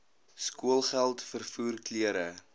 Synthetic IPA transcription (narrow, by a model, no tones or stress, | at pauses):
skuəlˠχælˠtfərfuːrkliəɾə